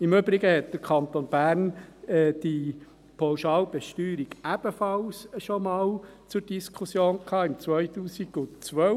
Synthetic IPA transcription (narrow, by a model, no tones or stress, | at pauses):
ɪmøbɾiɡəhɛt̚d̥̪əɾkʰɑnt̪onb̥æːɾnɛd̪̥i | pʰɑwʃɑːlb̥ɛʃtyːɾiɡ̥æb̥əfɑlsʃomɑːl | t͡sʊɾd̥iskʰusjoːnkʰɑːɪmt͡sʋœjt̪uːsiɡʊt͡sʋœ